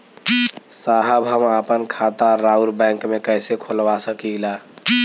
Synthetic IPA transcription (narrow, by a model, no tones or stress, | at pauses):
saɦəbɦəməpənkʰat̪aɾauɾbɛ̃ŋkmekəjsekʰolʋasəkiɡla